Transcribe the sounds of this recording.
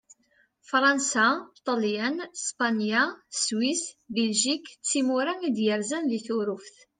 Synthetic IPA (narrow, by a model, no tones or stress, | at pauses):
fɾˤɑnsat̪ˤɑljənspɑnjaswisbɛlʒikt͡sːimuɾæŋid̪jəɾzænðiθuɾufθ